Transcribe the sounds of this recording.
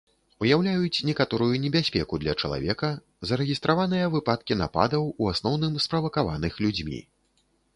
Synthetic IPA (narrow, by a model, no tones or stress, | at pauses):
ujawlʲajut͡sʲnʲɛkat̪ɔɾujunʲɛbʲasʲpʲɛkud̪lʲɐt͡ʂɐlˠa̰vʲɛkɐ | zɐɾɛɣʲist̪ɾavanɨjɐvɨpat̪̚kʲina̰pa̰d̪ɐwuasnɔwnɨmspɾɐvɐkava̰nɨxlʲud͡zʲmʲḭ